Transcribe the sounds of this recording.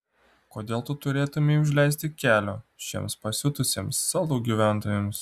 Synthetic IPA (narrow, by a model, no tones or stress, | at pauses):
koːd̪ʲeːlˠt̪ʊt̪ʊɾʲeːt̪ʊmʲeʊʒʲlʲɛɪs̬ʲt̪ʲɪkʲæːlʲoːʃʲḛːmspɐsʲʊt̪ʊsʲeːmsːɑːlˠoːɡʲiːʋʲæˑnt̪oːjems